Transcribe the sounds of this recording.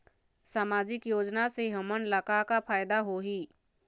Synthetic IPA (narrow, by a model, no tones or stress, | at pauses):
saːmaːd͡ʒɪkjoːd͡ʒnaseɦəmənləkakapʰaːjd̪aɦoɦiː